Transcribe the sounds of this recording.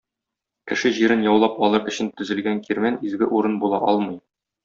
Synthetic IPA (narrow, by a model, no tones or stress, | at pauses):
kɘ̆ʃɘʑiɾɘnjɒwlˠɑpɒlˠɤɾɵ̆ɕɘ̆nt̪ɵ̆zɘ̆lɡæŋkiɾmænizɡɘʔuɾɤnbulˠɑʔɒlˠmɤj